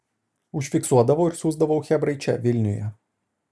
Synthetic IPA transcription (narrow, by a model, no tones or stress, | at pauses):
ʊʃʲfʲɪksuɔd̪ɐʋɐʊɪɾsuːzd̪ɐʋɐʊxʲɛbɾɐɪt͡ʃʲɛ̰ʋʲɪlʲnʲʊjɛ̰